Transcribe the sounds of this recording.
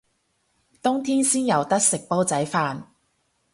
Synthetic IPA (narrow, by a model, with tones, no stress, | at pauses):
t̪ʊ˥ŋt̪ʰiː˥nsiː˥njɐ˨wt̪ɐ˥k̚sɪ˨k̚po˥wt͡sɐ˨˥jfaː˧n